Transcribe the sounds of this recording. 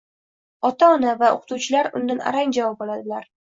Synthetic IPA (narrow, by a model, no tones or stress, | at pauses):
ɒt̪ʰaɒnavao̰qʰʊ̥t̪uwt͡ʃʰɪlaɾʊ̰nd̪ana̰ɾaŋd͡ʒavɒp̚ɒlad̪ɪlaɾ